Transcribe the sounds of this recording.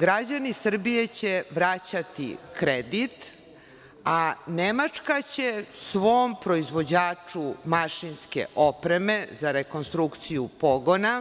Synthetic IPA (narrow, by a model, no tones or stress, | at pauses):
ɡɾad͡ʑanisr̩bije̞t͡ɕe̞ʋɾat͡ɕat̪ḭkɾed̪it̪ | anemat͡ʂkat͡ɕe̞sʋo̞ːmpɾo̞izʋo̞d͡ʑaːt͡ʂumaʃinske̞̰ʔopɾe̞me̞zaɾeko̞nst̪ɾukt̪sijupo̞ɡo̞na